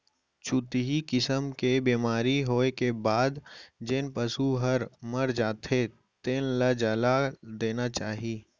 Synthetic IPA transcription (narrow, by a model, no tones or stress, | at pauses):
t͡ʃʊt̪ɦikɪsəmkebiːmaːɾiɦoːekebaːd̪d͡ʒɪnpəsuɦəɾmɐɾd͡ʒaːt̪ʰe | t̪eːnlad͡ʒəlad̪eːnat͡ʃaːɦiː